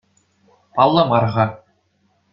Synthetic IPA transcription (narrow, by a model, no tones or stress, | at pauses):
pɑlˠːɤ̆mɑrʁɑ